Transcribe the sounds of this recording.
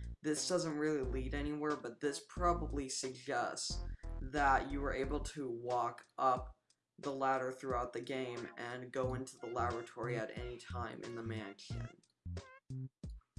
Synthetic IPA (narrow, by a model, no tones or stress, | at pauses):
ðɪsd̥ʌzə̃nʔ̚ɹɪlˠiliɾɛñiwɛɹbʌt̪̚ðɪspʰɹ̥ɑbəblisɨɡ̚d͡ʒɛstsðət͡ʃɨwə˞ʔeɪbl̩ˠtʰəwɔkʔʌp̚ | ðəlæɾə˞θɹʉaʊt̪̚ðɨɡẽɪ̃mɨ̃nɡoʊɪ̃ntʰuðəlæbɹɨtʰɔɹiɨɾɛ̰nitʰãɪ̃mʔɨ̰̃nðəmæ̃nʃɨ̰̃n